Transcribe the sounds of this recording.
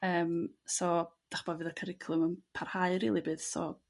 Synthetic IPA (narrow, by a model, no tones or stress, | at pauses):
əːmsɔd̥aχb̥ɔvɨːðəkʰəɾɪkʰlˠʊmənpʰarhaɨɾḭːlˠibɨːðsɔ̰